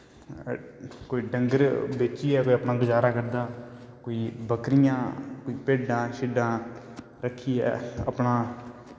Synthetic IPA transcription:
koːiːɖəŋɡəɾbeːt͡ʃiːɛːkoːiəpnãːɡʊd͡ʒaːɾaːkəɾd̪aː | koːiːbəkɾɪjãːkoiːpeːɖãːʃɪɖãː | ɾəkʰːiːɛ̰ːə̰pɳãː

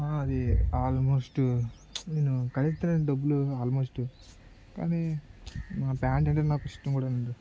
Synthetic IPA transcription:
aːɐd̪iaːlmo̞ːsʈ | neːnukɐlist̪ɐɾɐɖɐbːuluaːlmoːsʈu | ka̰ːniː | mapaːɳʈɐɳʈenaːkusi̥ʈːɐmkuːɽaːnɐɳɖu

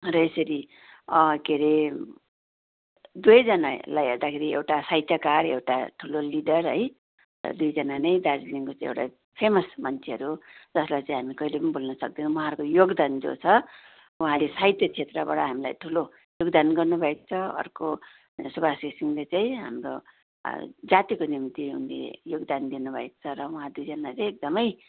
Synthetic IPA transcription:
rʌesʌɾi | ʌkeɾe | d̪ujd͡zʌnalajɦeɾd̪akʰeɾiḛwʈasajt̪jakarḛwʈaʈʰuloliɖʌrɦʌj | rʌ̰d̪ujd͡zʌnanʌjd̪ad͡ziliŋkot͡saĩḛwʈa̰ | pʰemʌsmʌnt͡sʰeɦʌɾud͡zʌslajt͡saĩɦamikʌilepʌnibʱolnʌsʌk̚d̪inõwʌɦãʌɾkojoɡd̪and͡zo̰t͡sʰʌ | uɦãlesaɦit̪jʌt͡sʰet̪rʌba̰ɽʌɦamila̰jʈʰulo | joɡd̪anɡʌrnubʱʌekt͡sʰʌʌ̰rko | subʱasisiŋlet͡saĩɦa̰mro̰ | d͡zat̪ikonimt̪iɦṵnlḛjoɡd̪and̪inubʱʌeko̥t͡sʰʌɾʌuɦãd̪ujd͡zʌnat͡sej̃ek̚d̪ʌmʌj

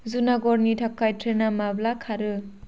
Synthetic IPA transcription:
zunaɡɔɾnitʰakːajtʰɾenamablakʰaɾɯ

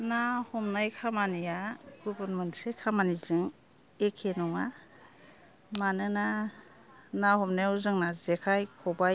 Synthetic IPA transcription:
nahɔmnajkʰamanijaɡ̥ubɯnmɯnsekʰamanizɯŋ | ekʰenɔŋa | manɯna | nahɔmnajwzɯŋnazekʰajkʰɔba

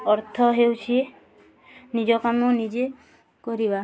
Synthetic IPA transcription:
ɔɾt̪ʰɔɦewt͡ʃʰi | nid͡ʒɔkamɔnid͡ʒe | kɔɾiba

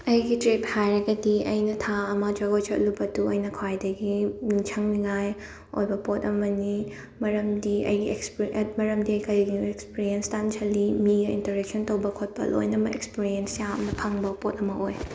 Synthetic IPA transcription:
ɐjɡitɾip̚hajɾɐɡɐdiɐjnɐtʰaɐmɐd͡ʒɐɡot͡ʃɐt̚lubɐtuɐjnɐkʰwajdɐɡiniŋt͡ʃʰɐŋliŋaj | o̰jbɐpotɐmɐni | mɐɾɐmdiʔɐ̰jɡiekspmɐɾɐmdikɐjɡiekspiɾienstant͡ʃʰɐlimiɡɐḭntɐɾek̚sontɐwbɐkʰot̚pɐ̰lo̰jnɐmɐʔekspiɾiensjamnɐpʰɐŋbɐpot̚ɐmɐʔoj

